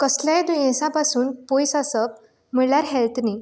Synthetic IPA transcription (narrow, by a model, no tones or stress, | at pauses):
kəsljaẽd̪ujẽsãpasuːnpojsasəp̚ | m̤iɽljaɾɦɛlt̪ʰni